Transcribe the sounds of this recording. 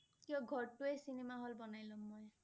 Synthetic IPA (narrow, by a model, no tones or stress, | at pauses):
kiɔɡʱɔɹʈuejsinemaɦɔlbɔnajlɔmːɔj